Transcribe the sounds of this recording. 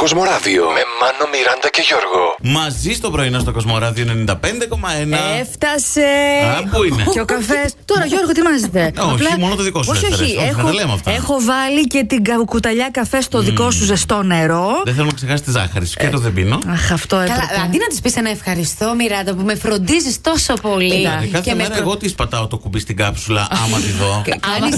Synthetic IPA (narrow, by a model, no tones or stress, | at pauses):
kozmo̞ɾɐvio̰memɐnomiɾɐnd̪ɐceʝoɾɣomɐzist̪o̞pɾo̞inost̪okozmo̞ɾɐðioenenind̪ɐpend̪eko̞mɐenɐeft̪ɐseɐpuineeokɐfest̪oɾɐoʝo̞ɾɣot̪imɐzit̪eɐoplɐmonot̪oðikos̬ooiexɐot̪ɐlemoɐ̰ft̪ɐexo̞vɐlice̞t̪iɡɐkut̪ɐʎɐkɐfest̪o̞ðiko̞suzest̪o̞ne̞ɾo̞ðeθθelonɐksexɐs̬t̪izɐ̰xɐɾiscet̪oðebḭnoɐxɐft̪oekɐlɐd̪inɐt̪i̥spisenɐefxɐɾist̪omiɾɐd̪ɐpume̞fɾo̞nd̪izist̪o̞sopo̞likɐeɾeɣot̪ispɐt̪ɐot̪okubist̪iɡɐpsulɐ̰ʔɐmɐt̪iðo